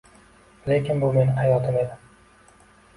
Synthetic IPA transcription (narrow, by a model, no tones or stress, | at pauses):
lekʲɪnbʊme̞nɪɦajɒt̪ʰɪme̞d̪ɪm